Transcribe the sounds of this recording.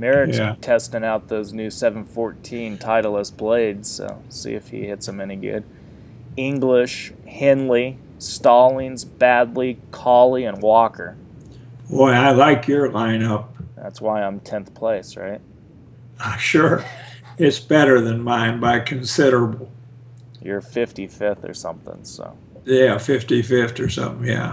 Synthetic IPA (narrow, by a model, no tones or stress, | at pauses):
mɛɹɨtʰtʰɛstɪ̃ŋaʊt̪̚ðoʊznʉsɛṽn̩fɔɹtʰĩntʰaɪɾl̩ˠəsb̥leɪdz̥so̰ʊsḭɨfhḭhɪtsə̃mɛniɡʊ̰d | ɪ̃ŋɡlɪʃ | hɪ̃nli | stɑlˠĩnzbædˡlikʰɑlˠiɨ̃nwɔkə̰˞ | ɔɪaɪlaɪkʰjə˞lãɪ̃nʌp̚ðæ̰tswaɪãɪ̃mtʰɛ̃nθpʰl̥eɪsɹa̰ɪt̚ | aɪ̃ʃʊɹɪtsb̥ɛɾə˞ðɨ̃nmãɪ̃nbaɪkʰɨ̃nsɪɾə˞əbl̩ˠ | jə˞fɪftifɪfθə̰˞sʌ̰̃mθɪ̰̃ŋso̰ʊ | jæfɪftifɪftə˞sʌ̰̃mθɪ̃ŋjæ̰